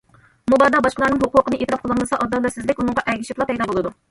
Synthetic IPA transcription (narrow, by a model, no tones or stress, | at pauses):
mubɑd̪ɑbɑʃqəlˠɑɾnɨŋɦʊqʊqənɨʔet̪ɾɑpqʰəlˠɨnlˠɨsɑʔɑd̪ɑnd̪ɑsɪzlɪkʲunɨŋʁɑʔɛɡʲiʃip̪lˠɑpʰɛjd̪ɑːbolˠɨd̪u